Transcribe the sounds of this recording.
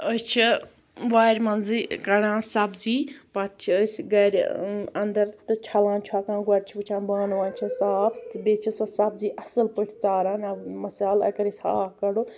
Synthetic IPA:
əst͡ʃʰi | ʋaːɾʲmɐnzikɐɽãːsɐbziːpɐt̪̚t͡ʃʰiəsʲɡɐɾʲɐnd̪ɐɾt̪ɨt͡ʃʰɐlãːnt͡ʃʰaːkãːnɡɐɾʲt͡ʃʰipɨt͡ʃʰãːnbaːnʋãːnt͡ʃʰɐsaːpʰt̪beːt͡ʃʰisɐsɐbziːʔɐsɨlpəʈʰt͡saːɾãːnamɐsaːlɐ̰kɐɾisʲa̰ːɦkɐɽu

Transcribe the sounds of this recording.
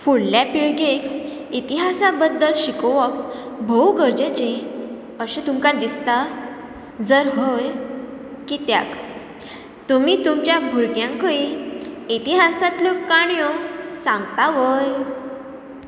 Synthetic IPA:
fuɽljapiɭɡek | it̪iɦasabəd̪ːəlɕikoʋəkbʱowɡəɾd͡ʑet͡ɕẽ | əɕẽt̪umkad̪ist̪a | d͡zəɾɦoj | kit̪ja̰k | t̪umiːt̪umt͡ɕjabʱuɾɡjãŋkəiːit̪iɦasat̪lokːaɳjɔsãŋɡt̪aʋəj

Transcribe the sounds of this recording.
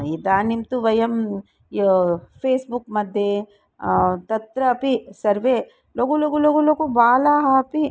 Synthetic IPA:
id̪aːnimt̪uʋɐjɐm | pʰeːsbukmɐd̪ʱje | t̪ɐt̪ɾɐɐpisɐɾʋe | loɡuloɡuloɡulokubaːlaːɦɐɐpi

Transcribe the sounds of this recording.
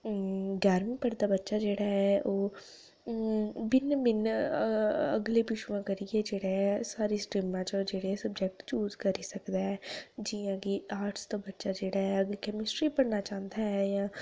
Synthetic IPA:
ɡɛːɾmɪ̃ŋpəɾd̪aːbətːʃaːd͡ʒeːɽaːɦɛʔoː | bɪnbɪn | ə̰ɡleːpɪʃuʋãːkəɾiɛːd͡ʒeːɽaɛsaːɾiːsʈɾɪmãːt͡ʃəd͡ʒeːɽeːɛsəbd͡ʒɛk̚ʈt͡ʃuːzkəɾiːsəkd̪aːɛːd͡ʒijãːkiːaːɾʈsd̪aːbətːʃad͡ʒeːɽaːɦɛəɡlkɛːmɪsʈɾiːpəɽnaːt͡ʃãːnd̪aːɦɛːjãː

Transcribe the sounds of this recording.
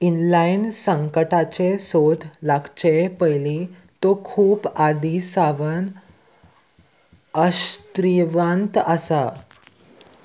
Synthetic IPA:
inlainsəŋkəʈat͡ɕesod̪ʰʱlaɡt͡ɕepəjli | t̪okʰuːpad̪isaʋən | əst̪ɾiʋãnt̪əsa

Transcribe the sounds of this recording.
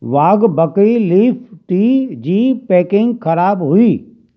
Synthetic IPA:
ʋaːɡbɐkiliːpʰʈiːd͡ʑiːpɛːkɪ̃ŋɡxɐɾaːbɦʊiː

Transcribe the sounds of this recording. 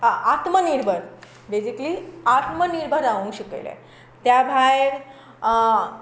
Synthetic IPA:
at̪məniɾbʱəɾ | bed͡ʑikliat̪məniɾbʱəɾaʋũːɕəkḛlḛ | t̪jabʱajeɽ

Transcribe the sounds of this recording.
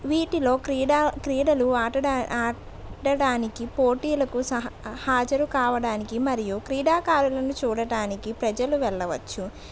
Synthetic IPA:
ʋiːʈilo̞ːkɾiːakɾiːɽɐluaːʈɐaaː | ʈɐɽaːnikipoːʈiːlɐkusɐhaːd͡ʒɐɾukaːʋɐɽaːnikimɐɾijukɾiːɽaːkaːɾulɐnut͡ʃuːɽɐɽaːnikipɾɐd͡ʒɐluʋɛɭːɐʋɐt͡ʃːu

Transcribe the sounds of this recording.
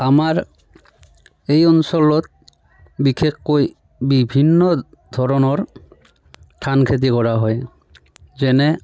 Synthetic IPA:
amaɾ | ejɔnsɔlɔt̪̚ | bikʰekːoj | bibʱinːɔ | d̪ʱɔɾɔnɔɾ | ʈʰankʰet̪̬ikɔɾaɦɔj | zɛnɛ

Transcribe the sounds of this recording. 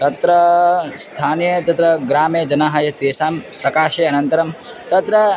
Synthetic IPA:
t̪ɐt̪ɾɐst̪ʰaːnjɐt̪ɐt̪ɾɐɡɾaːmed͡ʒɐnaːɦajɐt̪eːsaːmsɐkaːʃeːɐnɐnt̪ɐɾɐm | t̪ɐt̪ɾɐ

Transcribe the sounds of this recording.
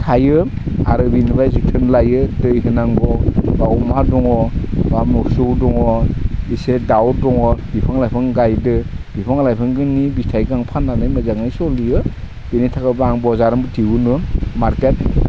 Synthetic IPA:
tʰajɯ | a̰ɾɯbinbajzɯtʰɯnlajɯdɯjɦɯnaŋbɔbawmadɔŋɔbamɔsuwdɔŋɔisedawdɔŋɔbipʰɯŋlajpʰɯŋɡajdɯb̥ipʰɯŋlajpʰɯŋɡɯnːibistʰajɡaŋpʰanːanɯjmazaŋnajsɔlijɯ | b̥enitʰakɯbaŋbɔzaɾɯmbɯtʰiwunɯmaɾket̚

